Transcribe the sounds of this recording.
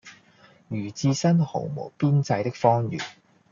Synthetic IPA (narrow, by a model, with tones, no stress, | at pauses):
jyː˨˩t͡siː˧sɐ˥nho˨˩wmo˨˩piː˥nt͡sɐ˧jt̪ɪ˥k̚fɔː˥ŋjy̰ː˨˩n